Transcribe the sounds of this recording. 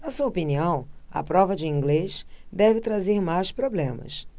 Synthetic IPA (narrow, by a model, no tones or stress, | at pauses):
nɐsuɐopiniɐ̃w̃ɐ̰pɾɔvɐd͡ʒɪĩŋɡleʃd̪ɛvɪt̪ɾazeɾmajspɾoblẽmɐ̰s